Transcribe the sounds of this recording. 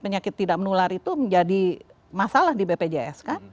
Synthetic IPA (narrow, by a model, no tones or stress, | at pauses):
pəɲakɪt̪ːidak̚mənulaɾit̪uməɲd͡ʒadi | masalahdibeped͡ʒeɛ̰skan